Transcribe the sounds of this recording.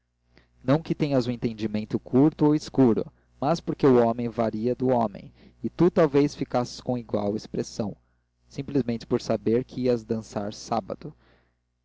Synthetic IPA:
nɐ̃w̃kɪt̪ẽɲɐzʊẽnt̪ẽnd͡ʒimẽnt̪ʊkʰuɾt̪ʊowiskuɾʊ̰ | maspoɾkeʊɔmẽj̃vaɾiɐd̪ʊɔmḛ̃j̃ | ɪt̪ut̪awvejsfikasɪ̥skõw̃iɡwa̰wispɾesɐ̃w̃ | sĩplizmẽnt͡ʃɪ̥poɾsabeɾkʰɪiɐzd̪ɐ̃saɾsabɐ̰d̪ʊ

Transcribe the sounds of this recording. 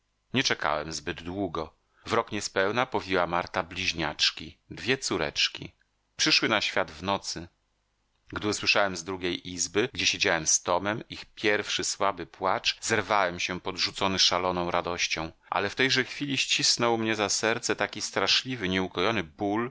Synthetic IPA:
ɲɛt͡ʂɛka̰wɛmzbɘd̪ːwuɡɔ | vɾɔkɲɛspɛwnapɔvʲiwamaɾt̪ablʲiʑɲa̰t͡ʂkʲid̪vʲjɛt̪suɾɛ̰t͡ʂkʲḭ | pʂɘʂwɘnaɕfʲjad̪vnɔt̪sɘ | ɡd̪ɘuswɘʂawɛmzd̪ɾuɡʲejʔizbɘɡd͡ʑeɛɕed͡ʑawɛmst̪ɔmɛmixpʲjɛɾfʂɘswabɘpwat͡ʂzɛɾvawɛmɕɛpɔd̪ʐut̪sɔnɘʂalɔnɔ̃w̃ɾad̪ɔɕt͡ɕɔ̃w̃ | ʔa̰lɛft̪ɛjʐɛxfʲilʲiɕt͡ɕisnɔwmɲɛzasɛɾt̪sɛt̪akʲist̪ɾaʂlʲivɘɲɛukɔjɔnɘbul

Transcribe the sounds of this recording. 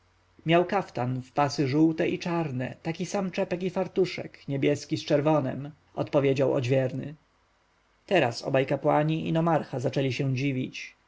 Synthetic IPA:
mʲjawkaft̪anfpasɘʐuwt̪ɛʔit͡ʂaɾnɛ̰t̪akʲisamt͡ʂɛpɛkifaɾt̪uʂɛ̰kɲɛbʲjɛskʲist͡ʂɛɾvɔnɛ̰m | ʔɔt̪pɔvʲjed͡ʑawɔ̰d͡ʑvʲjɛɾnɘ̰ | t̪ɛɾa̰sɔ̰bajkapwaɲiʔḭnɔmaɾxazat͡ʂɛlʲiɕɛ̃d͡ʑivʲit͡ɕ

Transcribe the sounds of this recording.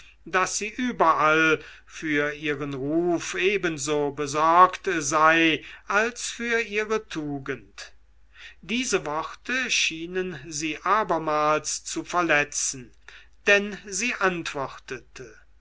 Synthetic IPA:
d̥asz̥iːʔyːbɐʔal | fyːɐʔiːʁənʁuːfʔeːbənzoːbəzɔɐktzaɪʔalsfyːɐʔiːʁətʰuːɡənt | d̥iːzəvɔʁtʰəʃiːnənziːʔaːbɐmaːlst͡sufɛɐlɛt͡sn̩ | d̥ɛnziːʔantv̥ɔʁtʰətʰə

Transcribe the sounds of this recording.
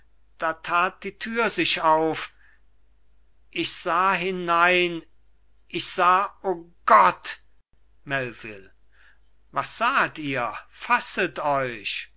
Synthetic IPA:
d̥aːtʰaːt̚d̥iːtʰyːɐzɪʃaʊf | ʔɪçz̥aːɦɪnaɪn | ʔɪçz̥aːoːɡ̥ɔt | mɛlvɪ̰l | vasz̥aːtiːɐfasətɔʏʃ

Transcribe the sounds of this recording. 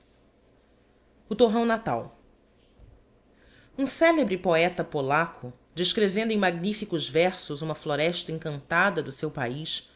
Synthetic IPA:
ʊt̪oɦɐ̃w̃nat̪a̰w | ũsɛlebɾɪpoɛt̪ɐpolakʰʊ | d͡ʒeʃkɾevẽnd̪ʊẽj̃maɡ̚nifikʊzvɛɾsʊzũmɐfloɾɛʃt̪ɐẽŋkɐ̃nt̪ad̪ɐd̪ʊsewpa̰iʃ

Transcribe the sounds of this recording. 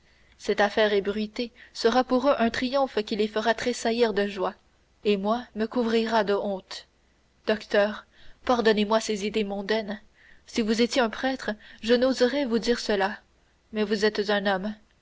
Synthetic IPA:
sɛt̪afɛːʁɛbʁɥit̪esəʁapuʁøʔɛ̃t̪χijɔ̃fkʲilefəʁat̪χesaiʁd̪əʒwa | emwaməkuvʁiʁad̪əɔ̃t̪ | d̪̥ɔkt̪œːʁ | paʁd̪ɔnemwasezid̪emɔ̃d̪ɛn | sivuzet̪jeɛ̃pχɛt̪χəʒənozʁɛvud̪iːʁsəla | mɛvuzɛt̪zɛ̃nɔm

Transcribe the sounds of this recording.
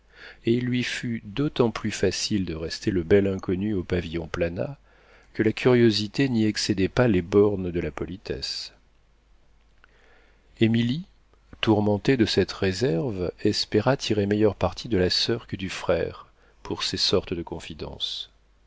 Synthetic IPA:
eilːɥifyd̪ot̪ɑ̃plyfasild̪əʁɛst̪eləbɛlɛ̃kɔnyopavijɔ̃plana̰ | kəlakʲʰyʁjozit̪eniɛksed̪ɛpalebɔʁnd̪əlapɔlit̪ʰɛ̰s | emili | t̪uʁmɑ̃t̪ed̪əsɛt̪ʁezɛʁvɛspeʁat̪ʰiʁemejœʁpaʁt̪ʰid̪əlasœʁkəd̪yfχɛʁ | pʰuʁsesɔʁt̪əd̪əkɔ̃fid̪ɑ̰̃s

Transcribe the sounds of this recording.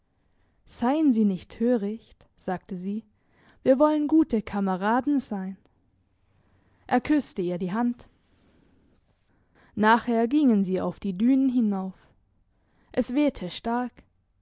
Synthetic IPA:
z̥aɪənziːnɪçtʰːøːʁɪçt | z̥aːk̚təziː | viːɐvɔlənɡuːtəkʰaməʁaːdn̩zaɪn | ʔɛːɐkʰʏstəiːɐdiːɦant | naːχheːɐɡɪŋənziːa̰ʊfd̥iːdyːnənɦɪnaʊf | ʔɛsv̥ɛːtʰəʃtaɐk

